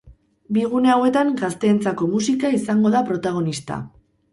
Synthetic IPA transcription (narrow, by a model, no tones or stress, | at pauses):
biɣ̞une̞awe̞t̪aŋɡast̪e̞ːnt͡sako̞musikaisaŋɡo̞ðapɾo̞t̪aɣ̞o̞nist̪a̰